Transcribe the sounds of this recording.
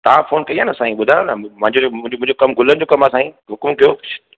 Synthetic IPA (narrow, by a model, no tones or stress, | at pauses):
t̪ɐʋ̤ãfoːnkɐiaːnəsaːĩɓʊd̪ʱaːj̃onəmɐ̃ɦɪ̃ɲd͡ʑõɪ̃d͡ʑmʊ̃ɪ̃ɲd͡ʑokɐmɡʱʊlənɪ̆d͡ʑoːkɐmasãːĩɦʊkmkijo̥